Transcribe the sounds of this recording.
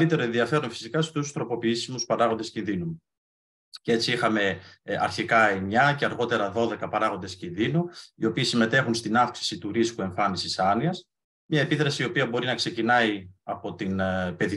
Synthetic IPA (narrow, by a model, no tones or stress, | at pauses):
lit̪e̞ɾoenðiɐfe̞ɾonfi̥sikɐst̪usu̥st̪ɾo̞po̞piisimuspɐɾɐɣo̞nd̪e̞scinðinu | cee̞t͡siixɐme̞ɐ̰ɾçikɐemɲɐce̞ɐɾɣo̞t̪e̞ɾɐðo̞ðe̞kɐpɐɾɐɣo̞nd̪e̞scinðinuio̞piːsime̞t̪e̞xunst̪inɐfksi̥sit̪uɾiskue̞ɱfɐnisisɐniɐs | mɲɐe̞piðɾɐsiːo̞piɐbo̞ɾinɐkse̞cinɐiɐpo̞t̪inpe̞ði